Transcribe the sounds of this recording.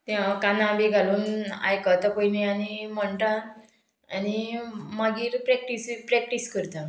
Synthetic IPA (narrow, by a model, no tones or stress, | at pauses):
t̪jakanãbeɡʱaluːna̰jkat̪əkoimianiməɳʈ̪ã | animaɡiːɾpɾɛk̚ʈispɾɛk̚ʈiskəɾt̪ã